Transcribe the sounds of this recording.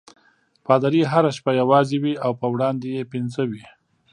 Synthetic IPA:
pɑd̪aɾiɦaɾaʃpajawɑzewiawpəwɽɑnd̪ejepɪnzəwi

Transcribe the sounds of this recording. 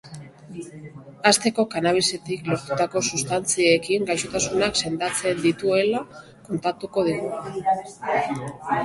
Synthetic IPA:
ast̪e̞ko̞kanaβ̞ise̞t̪iklo̞ɾt̪ut̪ako̞sust̪ant͡siekiŋɡajʃot̪asunakse̞nd̪at͡se̞nd̪it̪ue̞la | ko̞nt̪at̪uko̞ð̞iɣu

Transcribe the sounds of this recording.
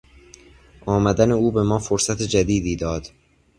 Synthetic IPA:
ʔɒːmæd̪æne̞uːbe̞mɒːfoɾsæt̪ʰed͡ʒæd̪iːd̪iːd̪ɒːd̪̥

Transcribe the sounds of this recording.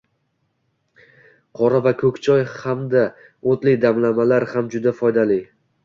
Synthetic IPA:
qʰɒɾavakʰɵkʲt͡ʃʰɒjhamd̪a | ot̪lɪd̪amlamalaɾhamd͡ʒʊd̪afɒjd̪alɪ

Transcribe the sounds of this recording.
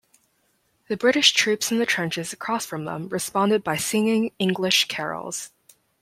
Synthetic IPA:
ðɨbɹɪɾɨʃtʰɹ̥ʉpsn̩ðɨtʰɹ̥ɛ̃nt͡ʃɨzɨkʰɹ̥ɔsfɹʌ̃mðə̰̃mɹɨspɑ̃ndɨd̚baɪsɪ̃ŋɪ̃ŋɪ̃ŋɡlɪʃkʰɛ̰ɹl̩ˠz̥

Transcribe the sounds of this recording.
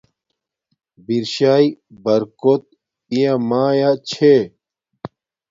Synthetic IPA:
biɾɕaːibɐɾkot̪̚ | ijamaːjat͡ɕʰe

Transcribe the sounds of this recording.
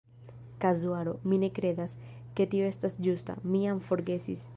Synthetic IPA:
kazuaɾo̞mine̞kɾe̞d̪as | ke̞tio̞e̞stasd͡ʒusta̰miamfo̞ɾɡe̞sis

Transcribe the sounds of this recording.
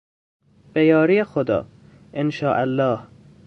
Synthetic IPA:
b̥ejɒːɾijexod̪ɒ̰ː | ʔenʃɒːʔælːɒːh

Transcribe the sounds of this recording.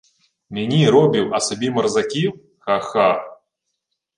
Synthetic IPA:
mʲanʲiɾɔbʲiwɐsabʲimɐrzakʲiw | xaxa

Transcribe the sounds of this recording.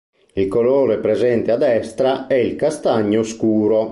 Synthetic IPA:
ilkoloːɾepɾezɛnt̪ead̪ɛst̪ɾaɛilkast̪aɲːoskuːɾo

